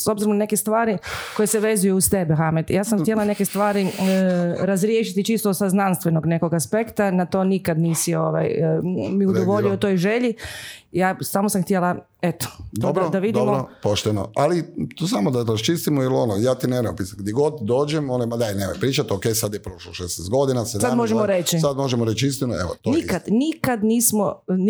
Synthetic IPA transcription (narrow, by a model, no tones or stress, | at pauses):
o̞bziɾonane̞kest̪ʋaːɾiko̞jeseʋe̞zujuust̪ebexamet̪jaːsamxtjelane̞kest̪ʋaːɾi | ɾazɾjeʃit̪it͡ʃist̪osaznanst̪ʋe̞noɡne̞ko̞ɡaspe̞kt̪anat̪o̞ːnikad̪niːsio̞ʋa̰jmiud̪oʋo̞ʎiot̪o̞ːjʒeʎijaːsamosamxt̪iela | et̪o̥d̪obɾod̪aʋid̪imɾopoʃt̪eno̰alit̪osamod̪aɾast͡ʃist̪imojilo̞nojaːt̪ineɾojopisaɡd̪jeɛɡo̞d̪d̪o̞ːd͡ʒemonomad̪ajnemojpɾiːt͡ʃat̪okejsad̪jepɾoʃloʃesnest̪ɡo̞d̪inasesad̪moʒemoɾet͡ʃisad̪mo̞ʒemoɾet͡ʃist̪inueʋot̪onikad̪nikad̪niːsmon